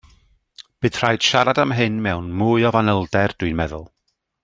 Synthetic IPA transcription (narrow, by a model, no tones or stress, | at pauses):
b̥ɨd̥r̥ajd̥ʃaɾadamɦɨnmɛwnmuːɨɔvanəlˠdɛrd̥ʊɨnmɛðʊ̰lˠ